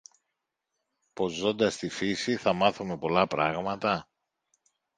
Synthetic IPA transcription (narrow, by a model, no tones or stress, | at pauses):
po̞zo̞nd̪ɐst̪ifisiθɐmɐθume̞po̞lɐpɾɐɣmɐt̪ɐ